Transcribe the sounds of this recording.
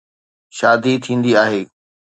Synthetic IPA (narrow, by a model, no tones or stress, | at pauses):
ʃaːd̪it̪ʰĩːn̆d̪iaːɦeː